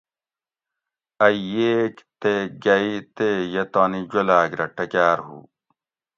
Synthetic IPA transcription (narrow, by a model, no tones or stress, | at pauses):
ɐjeːkt̪eɡɐit̪ejɐt̪aːnid͡ʑɐlaːkɾɐʈɐkaːɾɦṵː